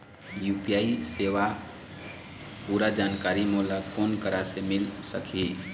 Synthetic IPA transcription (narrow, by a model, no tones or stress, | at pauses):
juːpijaːiseːʋa | puːɾad͡ʒaːnkaːɾimoːlakoːnkəɾasemɪlsəkʰi